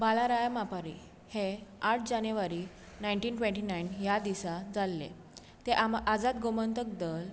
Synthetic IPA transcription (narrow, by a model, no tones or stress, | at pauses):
balaɾajamapaɾḭ | heaʈ̚ʰd͡ʑanjeʋaɾi | najɳʈiːnʈʋẽɳʈiːnainjad̪isad͡zalːḛ | t̪eʔaʔad͡zat̪̚ɡomənt̪ək̚d̪əl